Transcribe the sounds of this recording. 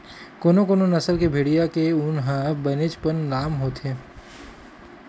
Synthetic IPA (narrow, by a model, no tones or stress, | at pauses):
koːnokoːnonɐsəlkebʱeːɽijakeʊnɦãbɐnet͡ʃpənlaːmɦoːt̪ẽː